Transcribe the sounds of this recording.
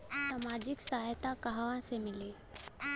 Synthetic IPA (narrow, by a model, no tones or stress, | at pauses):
samaːd͡ʒɪksaːɦjt̪akaɦawãsemɪleː